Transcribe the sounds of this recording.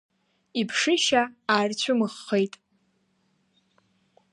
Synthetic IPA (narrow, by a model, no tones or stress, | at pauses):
ipʰʂɨʃaaːrt͡ɕʷʰʊmɨχːejtʼ